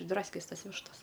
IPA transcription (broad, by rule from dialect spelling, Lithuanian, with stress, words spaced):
ɪʒˈdrɑːsʲkʲɛs ˈtɐs ˈʋʲɪʃtɐs